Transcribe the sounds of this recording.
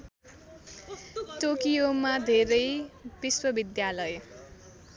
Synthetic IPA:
ʈokijomad̪ʱeɾʌjb̥iswʌbid̪jalʌj

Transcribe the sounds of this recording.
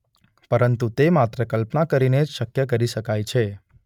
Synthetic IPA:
pəɾənt̪ut̪emat̪ɾəkəlpnakəɾined͡ʒʃəkjəkəɾiʃəkajt͡ʃʰe

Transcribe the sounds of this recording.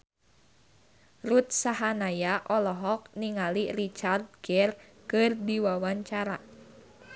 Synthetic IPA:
rut̪̚saɦanajaʔɔlɔɦɔk̚niŋalirit͡ʃard̪̚ɡɛrkɨrdiwawaɲt͡ʃaɾa

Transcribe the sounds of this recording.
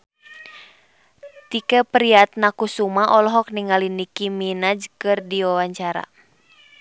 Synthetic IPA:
t̪ikɛpɾiat̪̚nakusumaʔɔlɔɦɔk̚niŋalinikiminad͡ʒkɨrdiwawaɲt͡ʃaɾa̰

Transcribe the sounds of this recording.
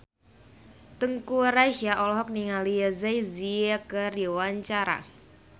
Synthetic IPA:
t̪əŋkuɾaʃaʔɔlɔɦɔk̚niŋalijəzajziakəriwaɲt͡ʃaɾa̰

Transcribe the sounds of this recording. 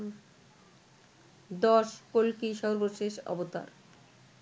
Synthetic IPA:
d̪ɔʃkolkiʃɔɾboʃeʃɔ̰bot̪a̰ɾ

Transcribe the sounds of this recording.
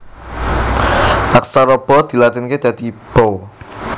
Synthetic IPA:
ʔaksaɾɔb̥ɔd̪̥i̤lat̪ɪnked̪̥ä̤d̪̥ib̥ɔw

